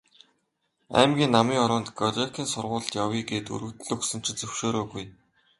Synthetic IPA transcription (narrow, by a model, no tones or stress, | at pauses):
æ̰ːmɡʲiːnːamiːŋɔɾɔːnt̪ɡɔrekʰiːnsʊrʁʊːɮt̪jawiːɡeːt̪ṵɾɘ̆t̪ɘ̆ɮɵksɘ̆m̥t͡ɕʰɪ̆t͡sɵw̥ʃoːɾoːɣuj